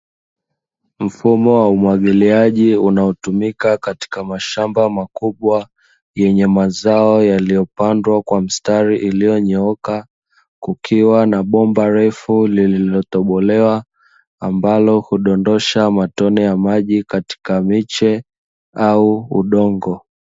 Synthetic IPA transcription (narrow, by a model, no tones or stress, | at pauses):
m̩fumɔwaumwaɠiliaʄiunaɔtumikakati̥kamaʃambamakuɓwa | jɛɲɛmazaɔjalijɔpandwakwam̩staɾiʔilijɔɲɛɔka | kukʰiwanaɓɔmbaɾɛfulililɔt̪ɔɓɔlɛwa | ambalɔhuɗɔndɔʃamatɔnɛjamaʄikati̥kamit͡ʃɛ | auṵɗɔŋɡɔ